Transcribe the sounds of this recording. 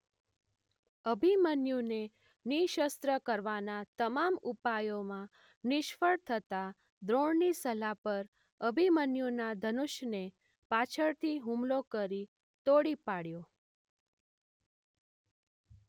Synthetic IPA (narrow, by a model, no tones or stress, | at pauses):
əbʱimənjune | niʃəst̪ɾəkəɾʋanat̪əmamupajomã | nɪʃfəɽt̪ʰət̪a | d̪ɾoɳnisəlapəɾ | əbʱimənjunad̪ʱənuʃne | pat͡ʃʰəɾt̪ʰiɦũmlokəɾi | t̪oɽipaɽjo